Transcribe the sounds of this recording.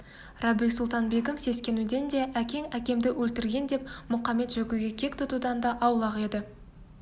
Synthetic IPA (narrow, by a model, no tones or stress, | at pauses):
rɑbijsʊlˠt̪ɑnbe̞kəmse̞skʲe̞nud̪e̞nd̪e̞ʔækʲe̞ŋækʲe̞md̪ɪwʔɵlt̪ɪɾɡʲe̞nd̪e̞p̚mʊqɑme̞t̪ʒɵɡʲuɡʲe̞kʲʰe̞k̚t̪ʰʊt̪ud̪ɑnd̪ɑʔɑwlˠɑʁe̞d̪ɪ